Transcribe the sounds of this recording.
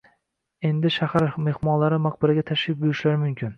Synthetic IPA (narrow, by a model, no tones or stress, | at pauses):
e̞nd̪ɪʃahaɾme̞hmɒnlaɾɪmaq̚bɪɾaɡʲat̪ʰaʃɪp̚bʊjɪʃlaɾmʊmkʲʰɪn